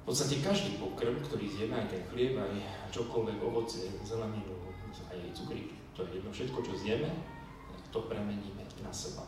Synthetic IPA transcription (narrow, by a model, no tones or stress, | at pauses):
fpɔtt͡sst̪acɛkaʒd̪iːpɔkɾ̩mkt̪ɔɾiːzɲɛmɛajt̪ɛnxlɪɛpajt͡ʃɔkɔlʋɛɡɔʋɔt͡sɪɛzɛlɛniːlɔmumut͡sajɛjt͡sukɾḭk | t̪ɔjɛjɛd̪nɔfʃɛt̪kɔt͡ʃɔzjɛmɛ | t̪akt̪ɔpɾɛmɛɲiːmɛnasɛba̰